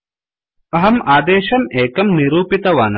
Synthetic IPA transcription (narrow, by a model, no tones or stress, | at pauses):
ɐɦɐmaːd̪eːʃɐmeːkɐmniɾuːpit̪ɐʋaːnɐ